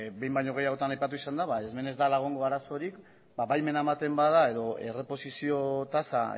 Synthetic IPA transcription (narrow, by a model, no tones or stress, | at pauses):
be̞jmbaɲo̞ɣ̞e̞jaɣo̞t̪anajpat̪̬uisand̪aβaezme̞ne̞zd̪alaɣ̞oŋɡo̞aɾaso̞ɾik | baβajme̞namat̪e̞mbaðae̞ðo̞e̞re̞po̞sisio̞t̪asa̰